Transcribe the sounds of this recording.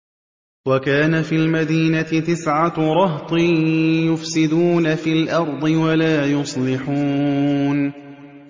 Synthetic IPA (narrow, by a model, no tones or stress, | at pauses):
wakaːnafiːlmad̪iːnat̪ɪt̪ɪsʕaɾˤɑht̪ˤɨjʊfsɪd̪uːnafiːlʔɑɾˤd̪ˤɨwalaːjʊsˤlɪħuːn